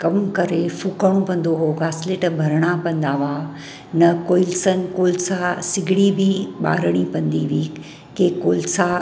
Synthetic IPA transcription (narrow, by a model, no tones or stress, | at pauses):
kɐmkɐɾefuːkəɽ̃õpɐ̃n̆d̪oɦoːɡaːsleːʈbʱɐɾəɽ̃apɐ̃nd̪aʋaː | nɐkoːɪlsənɪ̆koːlsasɪɡʱɪɽibiɓa̰ːɾəɽ̃ipɐ̃nd̪iʋiː | kekoːlsa